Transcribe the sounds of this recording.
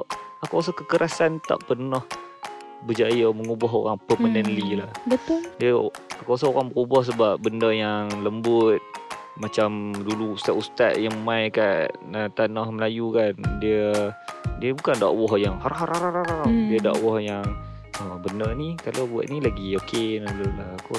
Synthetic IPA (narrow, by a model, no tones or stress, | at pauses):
akoas̬ɔhkəkəɾʔasant̪a̰ʔpərnɔh | bəd͡ʒajəməŋubɔɦo̰ɾaŋpəmənənlilahbət̪ʊldiəakuas̬ɔoɾaŋbəɾubɔhs̬əbap̚bəndəjaŋləmbʊt̪̚ | mat͡ʃamduluust̪aʔust̪a̰ʔ̪̚jaŋmajkaʔət̪anɔhməlajukandiə | diəbukanda̰ʔwɔhjaŋhaɾɦaɾaɾaɾaɾadiəda̰ʔwɔhjaŋ | əbəndərnikalobua̰ʔ̪nilaɡiokenalulahkɔ